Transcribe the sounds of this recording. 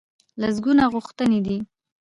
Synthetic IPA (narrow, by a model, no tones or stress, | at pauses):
laz̬ɡunaɣʊxt̪əned̪i